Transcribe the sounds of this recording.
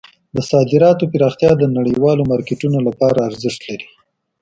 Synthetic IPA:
d̪əsɑd̪ɪɾɑt̪opɪɾɑxt̪jɑd̪ənaɽəjwɑlomɑɾkɪʈunolapɑɾaːɾzɪʃt̪laɾi

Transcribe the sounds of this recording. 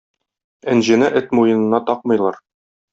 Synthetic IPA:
æ̆nʑɘ̆nɘʔɘt̪mujɤ̆nɤ̆nːɑt̪ɒq̚mɤ̆jlˠɑɾ

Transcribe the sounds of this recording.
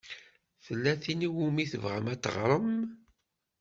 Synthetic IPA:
θəlːæθiniwumiθəvʁəmæt̪ːə̰ʁɾˤəm

